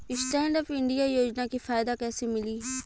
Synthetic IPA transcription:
ɪsʈɛ̃ːɳɖɔfɪɳɖijajoːd͡ʒnakifaːɪd̪akɛːsemɪliː

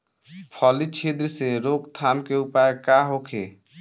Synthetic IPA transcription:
pʰɔːlit͡ʃʰed̪ɾseɾoːkt̪ʰaːnkeupaekaɦoːkʰeː

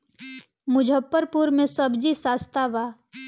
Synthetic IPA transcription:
mʊd͡ʒʱəpːəɾpuːɾmẽsəbd͡ʒisaːst̪aʋaː

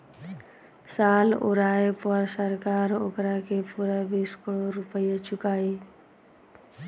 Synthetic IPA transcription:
saːlo̰ɾaːepəɾsəɾkaːɾo̰kɾakepuɾabiːskɪɽoɾupəjat͡ʃʊkaːi

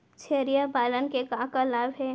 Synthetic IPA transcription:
t͡ʃʰeːɾijapaːlənkekãːkalaːbɦɛ

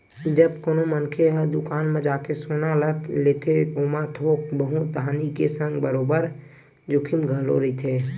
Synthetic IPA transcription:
d͡ʒəb̚koːnomənkʰeɦəd̪ʊkaːnmẽd͡ʒaːkesoːnalət̪ʰleːt̪ʰeoːmat̪ʰoːk̚bəɦũt̪̚aːnikesə̃ŋɡbəɾoːbəɾ | d͡ʒʊkʰimɡʱəlo̰ɾit̪ʰeː

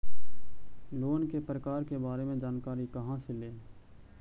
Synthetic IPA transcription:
loːnkepɾəkaːɾkebaːɾemẽd͡ʒaːnkaːɾikəɦãsɪleː

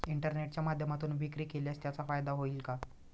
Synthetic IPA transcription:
iɳʈəɾneʈ̚t͡ɕjamad̪ʱjəmat̪uːnʋikɾiːkeljast̪jat͡safajd̪aɦoiːlka

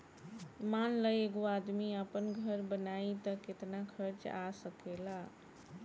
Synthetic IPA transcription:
manləjeɡoad̪miəpənɡʱəɾbənait̪əket̪nakʰəɾt͡ʃasəkela

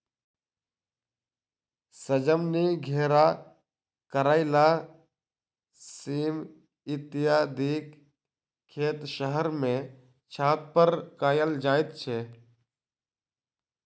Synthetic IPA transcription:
səd͡ʒəmniɡʱeːɾa | kəɾaːɪlaː | siːm | ɪt̪ɪjaːd̪iːk | kʰːeːt̪ʃəɦəɾmẽ | t͡ʃʰaːt̪̚pəɾkaːjəld͡ʒaːɪt̪̚t͡ʃʰeː

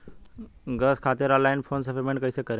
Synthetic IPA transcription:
ɡəskʰat̪iɾɔlːainfʰonsəfeɾmẽɳʈkəjsekəɾ

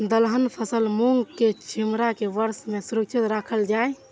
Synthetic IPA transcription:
d̪əlɦənpʰəsəlmuŋɡket͡ʃʰimɾakeʋəɾsmesuɾək̚t͡ʃʰit̪ɾakʰəld͡ʒaj

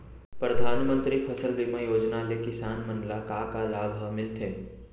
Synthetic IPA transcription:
pɾɐd̪ʱaːnmə̃nt̪ɾipʰɐsəld̪iməjoːd͡ʒnalekɪsaːnmɐ̃nɖlakakalaːbʱəmɪlt̪ʰeː

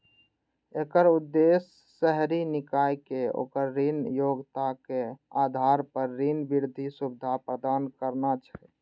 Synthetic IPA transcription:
ekəɾud̪ːesː | əɦɾinikajkeo̰ːkəɾːinjoɡt̪akead̪ʱaɾpəɾːinbiɾd̪ʱisubɪd̪ʱapɾəd̪aːnkəɾnat͡ʃʰɛ

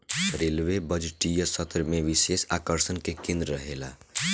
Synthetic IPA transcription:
ɾelʋebəd͡ʒʈijəsət̪ɾəmẽʋisesaːkəɾsənkekẽnd̪ɾəɾəɦela̰

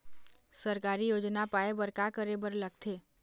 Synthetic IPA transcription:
səɾkaɾijod͡ʒnapaebəɾkakəɾebəɾləɡ̚t̪ʰe

